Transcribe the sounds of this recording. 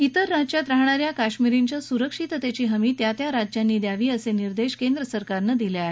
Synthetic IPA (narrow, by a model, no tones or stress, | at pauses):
it̪əɾːad͡ʑt͡ɕjat̪ɾaɦɳ̃aɾjakaɕmiɾiɲt͡ɕjasuɾəkʂit̪ət̪et͡ɕiːɦəmiːt̪jat̪jaɾad͡ʑjanːiːd̪jaʋiːəseniɾd̪eɕkend̪ɾəsəɾkaɾnəd̪iljae